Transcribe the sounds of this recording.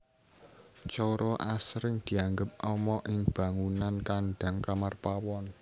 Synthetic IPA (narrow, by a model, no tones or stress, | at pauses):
t͡ʃɔɾɔʔasɾɪŋd̪̥i̤aŋɡəp̚ʔɔmɔʔɪŋb̥ä̤ŋunankanɖ̥a̤ŋkamarpawɔn